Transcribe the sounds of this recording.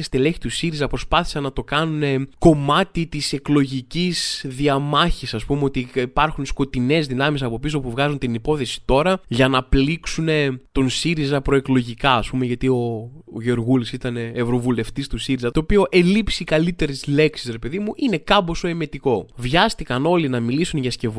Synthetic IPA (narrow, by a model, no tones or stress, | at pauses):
st̪ile̞çi̥t̪usiɾizɐpɾo̞spɐθi̥sɐnɐt̪o̞kɐnune̞ko̞mɐt̪it̪ise̞klo̞ʝicizðiɐmɐçisɐspumeo̞t̪iipɐɾxunsko̞t̪ine̞zðinɐmis̬ɐpopisopuvɣɐzunt̪inipo̞θe̞si̥t̪o̞ɾɐʝɐnɐpliksune̞t̪o̞nsiɾizɐpɾo̞e̞klo̞ʝikɐɐspume̞ʝɐt̪io̞ʝo̞ɾɣulisit̪ɐne̞ːvɾo̞vule̞ft̪ist̪usiɾizɐt̪o̞ːpio̞ʔe̞lipsikɐlit̪e̞ɾesle̞ksi̥sɾe̞pe̞ðimuʔine̞kɐbo̞so̞eme̞t̪iko̞vʝɐst̪ikɐno̞linɐmilisunʝɐsce̞v